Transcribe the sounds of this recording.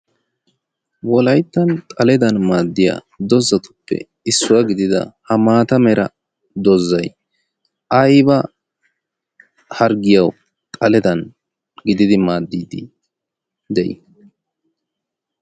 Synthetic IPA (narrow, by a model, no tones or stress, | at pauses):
wɔlɐjt̪ːɐnt̪ʼɐlɛd̪ɐnmaːd̪ːɪja̰ | d̪ɔzɐt̪ʊ̥pːɛ̰ | ɪsːʊwɐɡɪd̪ɪd̪ɐ̰hɐmaːt̪ɐmɛɾɐ̰ | d̪ɔzːɐj | ʔɐjbɐ | hɐɾɡɪjɐw | t̪ʼɐlɛd̪ɐn | ɡɪd̪ɪd̪ɪmaːd̪ːiːd̪ɪ | d̪ɛ̰j